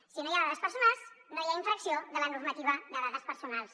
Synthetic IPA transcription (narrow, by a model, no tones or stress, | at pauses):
sinojaɣaðəspəɾsunalˠsnojaiɱfɾəksioðələnurmət̪iβ̞əd̪əðaðəspəɾsunalˠs